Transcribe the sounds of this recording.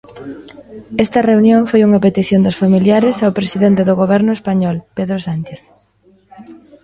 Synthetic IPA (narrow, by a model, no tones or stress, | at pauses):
ɛst̪ɐreunjõŋfojuŋɐpet̪iθjond̪ʊsfamiljaɾesawpɾesiðent̪eðʊɣoβ̞ɛɾnʊespaɲɔlpeðɾosant͡ʃeθ